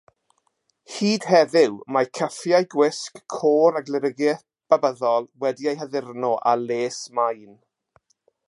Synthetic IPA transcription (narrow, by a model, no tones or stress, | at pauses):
hiːd̥hɛðɪwmakʰəfjajɡwɪskʰːoːɾaɡlɪɾəɡɛθ | b̥abəðɔlˠwɛdiajɦəðɪrnɔʔa̰leːsmajn